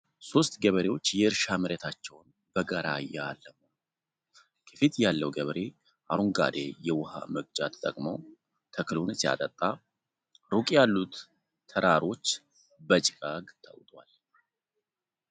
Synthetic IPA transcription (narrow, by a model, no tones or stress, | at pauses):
so̞st̪ʼɡəβəɾe̞wo̞t͡ʃːjɛɨɾʃamɨɾɛt̪ʰat͡ʃːɛwn | b̥əɡaɾajaːlːəmo | kʰə̥fit̪jalːəwɡəβɾe̞ | ʔaɾuŋɡa̰d̪ḛjɛwʊha̰məɡ̚d͡ʒat̪ʰt̪ʼəkʼmow | t̪ʰəkʰlunsia̰t̪ʼət̪ʼːa | ɾukʼjalːut̪ | t̪ʰəɾaɾo̞t͡ʃː | bət͡ʃʼkʼaɡt̪ʰə̰wt̪ʼwa̰l